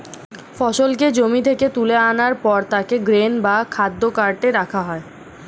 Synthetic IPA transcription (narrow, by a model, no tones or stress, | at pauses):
fɔʃolked͡ʑomit̪ʰeket̪uleanaɾpɔɾt̪akeɡɾenbakʰad̪ːokaɾʈeɾakʰaɦɔe